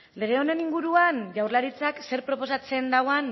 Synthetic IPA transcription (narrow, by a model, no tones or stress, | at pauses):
le̞ɣ̞e̞o̞ne̞niŋɡuɾuanʝawrlaɾit͡sakse̞ɾpɾo̞po̞sat͡se̞nd̪aɣoan